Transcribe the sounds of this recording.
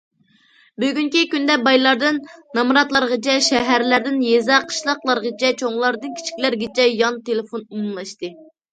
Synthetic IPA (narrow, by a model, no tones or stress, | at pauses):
byɡʲyŋkʲikʲynd̪ɛbɑjlˠɑɾd̪ɨnːɑmɾɑt̪lˠɑɾʁət͡ʃʰɛʃɛɦæɾlæɾd̪ɪnjezɑqʰə̥ʃlˠɑqlˠɑɾʁət͡ʃʰɛt͡ʃʰoŋlˠɑɾd̪ɨnkʲʰi̥t͡ʃʰi̥kʲlæɾɡʲet͡ʃʰɛjɑnt̪elɪfonumumlˠɑʃt̪ɨ